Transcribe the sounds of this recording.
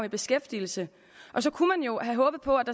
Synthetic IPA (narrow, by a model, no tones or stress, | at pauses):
mib̥e̝sɡ̥efd̥il̩sə | ʔɒ̽sɒ̽kʰumænjo̝ɦæɦɔ̽ːb̥ð̞̩ˠpʰɒ̽æd̥ɑ